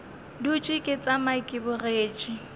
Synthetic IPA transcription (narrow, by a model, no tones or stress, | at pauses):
dut͡ʃʼikʼɪt͡sʼamaikʼɪbʊreːt͡ʃʼi